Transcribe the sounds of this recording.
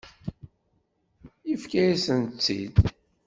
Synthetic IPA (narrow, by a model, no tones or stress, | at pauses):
ifkæjisənt͡sːḭd̪